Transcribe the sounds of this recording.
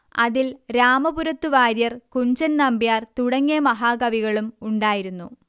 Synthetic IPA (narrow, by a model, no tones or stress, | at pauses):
ɐðilɾaːmɐbuɾɐt̪ːuʋaːɾjɐrkuɲd͡ʑɐnnɐmbijaːrt̪uɽɐŋːemɐɦaːɡɐʋiɣɐɭumuɳɖaːjiɾunːṵ